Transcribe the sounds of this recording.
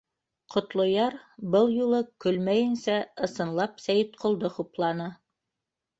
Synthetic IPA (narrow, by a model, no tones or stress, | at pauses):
qʰŏt̪lˠŏjɑɾbɤlˠjulˠɤkɵlmæjɘ̆nsæɤ̆sɤ̆nlˠɑpsæjɘt̪qʰŏlˠd̪ɤχuplˠɑnɤ